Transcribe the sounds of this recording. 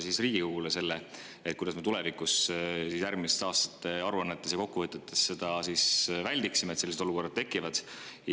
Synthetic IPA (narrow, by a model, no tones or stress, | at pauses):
sisriːɡ̥ikuɡulese̞lːe | et̪kujd̪ɑsme̞t̪ulɛ̞vikːˑussisjærmisest̪ɑːst̪ɑ̥t̪ːˑe̞ɑɾuɑnːet̪ːˑe̞s̬jɑko̞kːuvɤt̪ːˑet̪ːˑe̞sːe̞d̪̥ɑsisvælʲd̪iksimet̪seːised̪o̞luko̞rːɑd̪̥̚t̪e̞kːˑivɑd̪̥